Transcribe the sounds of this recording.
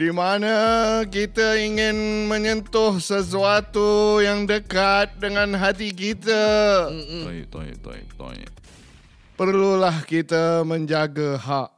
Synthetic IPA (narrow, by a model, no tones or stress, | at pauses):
dimanak̬it̪aiŋɪnmə̃ɲənt̪ʊhsəs̬uat̪ujaŋdəkat̪̚dəŋãnɦat̪ik̬it̪a | t̪t̪t̪ɔ̰ | pərlulahkit̪amə̃ɲd͡ʒaɡaɦaʔ̚